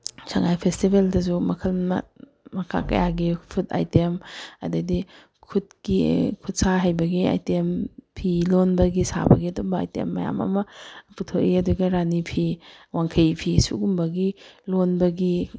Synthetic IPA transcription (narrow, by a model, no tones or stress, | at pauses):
sʰaŋajpʰestibeldɐzumɐkʰɐlnɐ̰ | mɐkʰa̰kɐ̰jaɡipʰuta̰jtemɐ̰dadi | kʰut̚kikʰut̚saɦajbɐɡia̰jtempʰilonbɐɡisa̰bɐ̰ɡiɐdumbɐa̰jtḛmːɐja̰mɐ̰mɐputʰoʔiɐduɡɐɾanipʰiwaŋkʰɐjpʰisṵɡumbɐɡilonbɐɡi